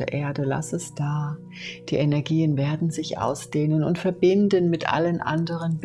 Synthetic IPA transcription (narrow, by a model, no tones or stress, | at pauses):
ɐʔeːɐdəla̰sɛsd̥aː | d̥iːʔenɛɐɡiːənveːɐdn̩zɪçʔa̰ʊsd̥eːnənʊ̰ntfɛɐbɪndənmɪtʔa̰lənʔa̰ndəʁ̞ənb